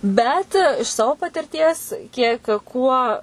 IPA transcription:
ˈbʲɛt ɪʃ ˈsɑːʋoː pɐtʲɪrʲˈtʲiɛs ˈkʲiɛk ˈkuɔ

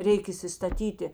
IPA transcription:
ˈrʲɛɪk iːsʲɪstɐˈtʲiːtʲɪ

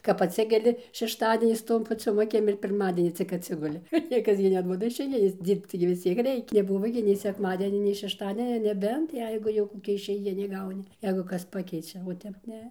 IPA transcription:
kɐp ɐtʲˈsʲɪkʲɛlʲɪ ʃʲɛʃˈtɑːdʲiɛnʲɪs ˈtoːm pɐˈt͡sʲoːm ɐˈkʲɪm ɪr pʲɪrˈmɑːdʲiɛnʲiː t͡sʲɪk ɐtʲˈsʲɪɡʊlʲɪ ˈnʲiɛkɐs ɡʲɪ nʲɛˈduɔdɐ ɪʃʲɛɪˈɡʲɪnʲeːs ˈdʲiːrpt͡s tɐɪ ɡʲɪ ʋʲɪs ˈt͡sʲiɛk ˈrʲɛɪkʲɛ nʲɛˈbʊʋoː ɡʲɪ nʲɛɪ sʲɛkˈmɑːdʲiɛnʲɛ nʲɛɪ ʃʲɛʃˈtɑːdʲiɛnʲoː nʲɛˈbʲɛnt ˈjɛɪɡʊ jɛʊ koːˈkʲɛ ɪʃʲɛɪˈɡʲɪnʲɪ ˈɡɐʊnʲɪ ˈjɛɪɡʊ ˈkɐs ˈpɑːkʲɛɪt͡ʃʲɛ oː ˈtʲɛp ˈnʲɛ

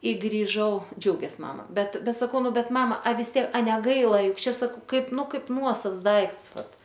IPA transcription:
ɪ ɡrʲɪˈʒɐʊ ˈd͡ʒʲɛʊɡʲeːs ˈmɑːmɐ ˈbʲɛt ˈbʲɛt sɐˈkɐʊ ˈnʊ ˈbʲɛt ˈmɑːmɐ ɐ ʋʲɪs ˈtʲiɛk ɐ nʲɛˈɡɐɪlˠɐ ˈjʊk ˈt͡ʃʲɛ sɐˈkɐʊ ˈkɐɪp ˈnʊ ˈkɐɪp ˈnuɔsɐws ˈdɐɪkts ˈʋɐt

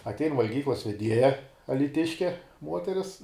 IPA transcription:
ɐtʲˈɛɪn ʋɐlʲˈɡʲiːklˠɐs ʋʲɛˈdʲiɛjɛ ɐlʲiːˈtʲɪʃʲkʲɛ ˈmuɔtʲɛrʲɪs

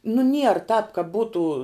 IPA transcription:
nʊ nʲiɛr tɑːp kɐ ˈbuːtuː

